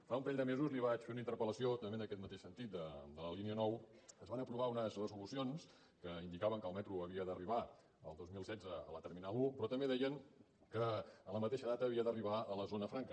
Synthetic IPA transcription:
faumpɾɛʎʲd̪əmezuzliβat͡ʃfeunəint̪əɾpələsiot̪əmbendəkɛt̪mət̪eʃsənt̪it̪̚d̪əd̪ələliniənɔwəzβanəpɾuβaunəzrəzulusions | kəind̪ikaβəŋkəlˠmɛt̪ɾuəβiəðəriβ̞a | ə̰lˠd̪ozmilˠsɛd͡zəə̰lət̪əɾminalˠupɾɔt̪əmbeðɛjəŋ | kəːləmət̪eʃəðat̪əːβiəðəriβ̞aələzonəfɾaŋkə

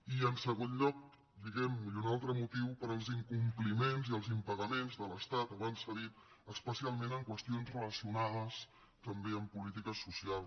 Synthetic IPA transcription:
iənsəɣ̞onʎɔk̚ | d̪iɣɛmunalˠt̪ɾəmut̪iwpəɾəlˠziŋkumplimenziəlˠzimpəɣəmenzðələst̪at̪βansəðit̪ | əspəsialˠmẽnəŋkwəst̪ionzrələsiunaðəs | t̪əmbeəmpulit̪ikəsusialˠ

